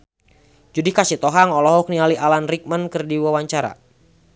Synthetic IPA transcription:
d͡ʒudikasit̪ɔɦaŋɔlɔɦɔk̚nialiʔalanrik̚mənkərdiwawaɲt͡ʃaɾa̰

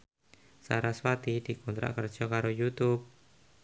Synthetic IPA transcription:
sa̰ɾaswat̪idikunt̪ɾa̰ʔkərd͡ʒɔkaɾojut̪ʊp̚

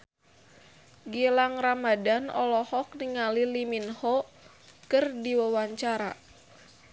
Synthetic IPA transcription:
ɡilaŋramadanɔ̰lɔhɔk̚niŋaliliminhɔ | kɨrdiwawaɲt͡ʃaɾa̰

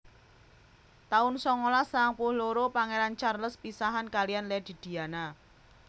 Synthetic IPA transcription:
t̪aʊnsɔŋolasaŋpʊhloɾopaŋeɾant͡ʃarləspisaɦankalijanlɛd̪̥i̤d̪̥i̤ana

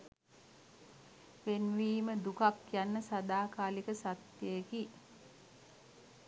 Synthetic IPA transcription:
ʋenʋiːməd̪ukakjanːəsad̪aːkaːlikəsat̪jeeki

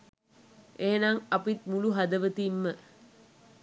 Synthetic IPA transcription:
ʔeːnaŋɐpit̪muluɦad̪əʋət̪iːmːə

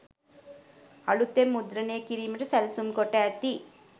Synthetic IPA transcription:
ɐɭut̪ːemːud̪ɾɐneːkiɾiːmɐʈɐsɐlɐsumkɔʈːaːt̪ːi

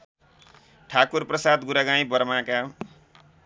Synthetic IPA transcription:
ʈʰakurprʌsad̪ɡuɾaɡãĩbʌɾmãka

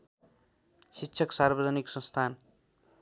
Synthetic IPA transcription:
siɕʰʌksarbʌd͡zʌniksʌ̃nst̪ʰan

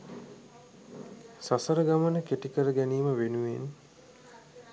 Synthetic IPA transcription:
sasəɾəɡamənəkeʈikəɾəɡæniːməʋenuʋen

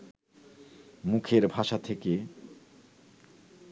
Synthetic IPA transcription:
mukʰeɾbʱaʃat̪ʰeke

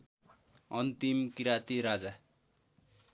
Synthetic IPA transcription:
ʌnt̪imkiɾat̪iɾad͡za

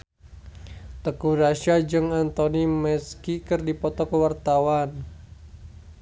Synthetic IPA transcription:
t̪əkuɾaʃad͡ʒɨŋant̪onimɛskikɨrdipɔt̪ɔkəwart̪awan

